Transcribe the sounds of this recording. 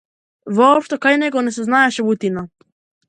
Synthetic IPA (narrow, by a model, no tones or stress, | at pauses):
voːpʃt̪okajnɛɡoneseznaeʃeβut̪ina